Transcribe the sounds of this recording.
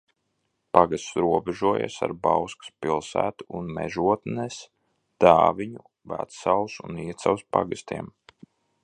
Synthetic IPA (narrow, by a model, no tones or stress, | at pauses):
paɡast̪sɾuɔbɛʒuɔja̰sa̰ɾbawskḁspilˠsæ̰ːt̪uːnmɛ̰ʒuɔt̪nɛs | d̪̥aːviɲu | væ̰t̪salˠsuniɛt̪sawspa̰ɡɨst̪iɛm